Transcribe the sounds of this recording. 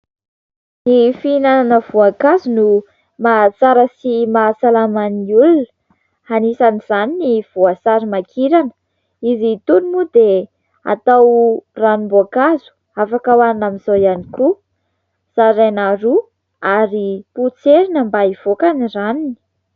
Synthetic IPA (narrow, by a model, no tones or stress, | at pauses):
nifinananəvuakazunu | masaɾəsimasalamaniulunə̥ | hanisaniz̥aniniv̥uasaɾimakʰiɾanə̥ | izit̪unimud̪e | a̰t̪awranimbuakazu̥ | afakawaninamizojaniku | z̥aɾanaɾu | aɾiput͡seɾinəmbaiv̥okaniranini̥